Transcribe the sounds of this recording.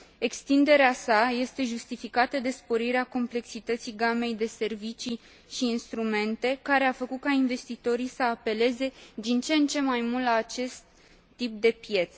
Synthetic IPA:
e̞kst̪ind̪e̞ɾeasaje̞st̪e̞ʒust̪ifikat̪əd̪e̞spo̞ɾiɾeako̞mple̞ksit̪ət̪siɡame̞jd̪e̞se̞rvit͡ʃi | ʃiːnst̪ɾume̞nt̪e̞kaɾe̞afəkut̪̚kainve̞st̪it̪o̞ɾijsəape̞le̞ze̞d̪int͡ʃe̞nt͡ʃe̞majmult̪laːt͡ʃe̞st̪ː | ip̚d̪e̞pje̞t̪s

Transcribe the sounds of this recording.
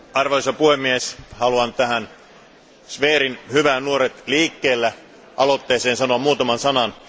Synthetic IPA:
ɑrʋoisɑpuhemːieshɑluɑnt̪æɦæn | sʋeːɾinhyʋænnuoɾet̪liːkːeːlːæ | ʔɑlot̪ːeːseːnsɑnoɑmmuːt̪ɑmɑnsɑnɑn

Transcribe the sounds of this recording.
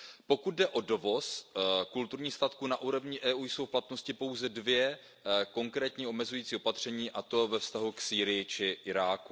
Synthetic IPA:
po̞kud̪̚dɛʔo̞do̞vo̞skult̪uɾɲiːxst̪at̪kuːnaʔuːɾovɲɪʔɛːuːjso̞wfplat̪no̞scɪpo̞wzɛdvjɛ | ko̞ŋkɾɛːt̪ɲiːo̞mɛzujiːt͡siːo̞pat̪r̝̥ɛɲiːʔat̪o̞vɛfst̪aɦuksiːɾɪjɪt͡ʃɪʔɪɾaːku

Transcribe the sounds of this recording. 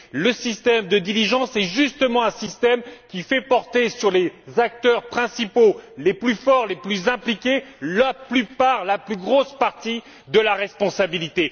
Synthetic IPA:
ləsist̪ɛmd̪əd̪iliʒɑ̃sɛʒyst̪əmɑ̃ɛ̃sist̪ɛmkʲifɛpɔʁt̪esyʁlezak̚t̪œʁpχɛ̃sipoleplyfɔʁleplyzɛ̃plikʲelaplypaʁlaplyɡʁospaʁt̪i | d̪əlaʁɛspɔ̃sabilit̪e

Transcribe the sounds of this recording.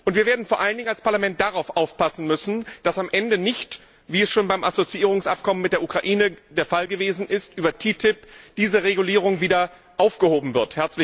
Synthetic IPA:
ʔʊntv̥iɐveɐdn̩foːɐʔaləndɪŋalspaɐlamɛnt̚d̥aʁaʊfʔaʊfpʰasn̩mʏsn̩d̥asamʔɛndənɪçt | v̥iːɛsʃoːnbaɪmʔazot͡siʔiːʁ̞ʊŋsʔap̚kʰɔmənmɪt̚d̥eːɐʔukʁ̥aʔiːnəd̥eːɐfalɡəveːzn̩ʔɪstʔyːbɐtʰiːtʰɪpd̥iːzəʁeɡuliːʁ̞ʊŋviːdɐ | ʔaʊfɡ̥əhoːbm̩vɪɐthɛɐt͡slɪ

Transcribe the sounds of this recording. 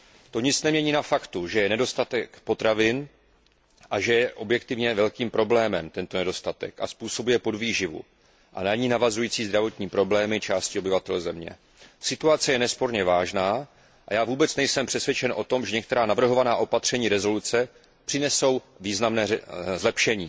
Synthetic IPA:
t̪o̞ɲɪt͡snɛmɲɛɲiːnafakt̪uʒɛjɛnɛdo̞st̪at̪ɛkpo̞t̪ɾavɪn | ʔaʒɛjɛʔo̞bjɛkt̪ɪvɲɛvɛlkiːmpɾo̞blɛːmɛmt̪ɛnt̪o̞nɛdo̞st̪at̪ɛ̰ka̰spuːso̞bujɛpo̞dviːʒɪvṵ | ʔa̰naɲiːnavazujiːt͡siːzd̪ɾavo̞t̪ɲiːpɾo̞blɛːmɪt͡ʃaːscɪobɪvat̪ɛlzɛmɲɛ̰ | sɪt̪uat͡sɛjɛnɛspo̞ɾɲɛvaːʒnaː | ʔajaːvuːbɛt͡snɛjsɛmpr̝̥ɛsvjɛt͡ʃɛnʔo̞t̪o̞mʒɛɲɛk̚t̪ɛɾaːnavr̩ɦo̞vanaːʔo̞pat̪r̝̥ɛɲiːɾɛzo̞lut͡sɛ | pr̥ɪnɛso̞w | viːznamnɛːzlɛpʃɛɲiː

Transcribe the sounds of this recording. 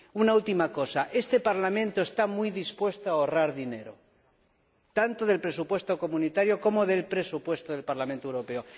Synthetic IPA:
unault̪imako̞saʔe̞st̪e̞paɾlamẽ̞nt̪oest̪amujðispwe̞st̪oaoraɾðine̞ɾo̞̰ | t̪ant̪oðe̞lpɾe̞supwe̞st̪o̞ko̞mũnit̪aɾjo̞ko̞mo̞ðe̞lpɾe̞supwe̞st̪oð̞e̞lpaɾlament̪owɾo̞pe̞o̞

